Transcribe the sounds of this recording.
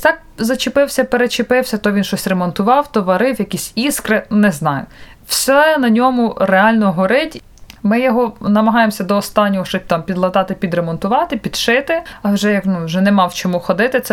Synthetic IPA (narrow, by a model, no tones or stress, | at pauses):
t̪ɑk̚ | zɐt͡ʃɪpɪwsʲɐpeɾet͡ʃɪpɪwsʲɐt̪ɔʋʲinʃɔsʲremɔnt̪ʊʋɑwt̪ɔʋɐɾɪwjɐkʲisʲiskɾɪnɛznɑjʊ̰ | wsɛnɐnʲɔmʊɾeɑlʲnɔɦɔɾɪtʲ | mɪjɔɦɔnɐmɐɦɑjemsʲɐd̪ɔːst̪ɑnʲːɔɦɔʃɔt̪ɑmpʲid̪lˠɐd̪ɑt̪ɪpʲid̪ɾemɔnt̪ʊʋɑt̪ɪpʲid̪̥ʃɪt̪ɪɐwʒɛjɐknuʒɛnɛmɑwt͡ʃɔmuxɔd̪ɪt̪ɪt̪sɛ